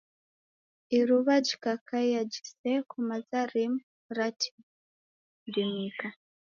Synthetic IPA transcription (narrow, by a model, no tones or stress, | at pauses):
iɾuβad͡ʒikakʰajad͡ʒi̥sekʰumazaɾim | ɾatʰi̥ | dimika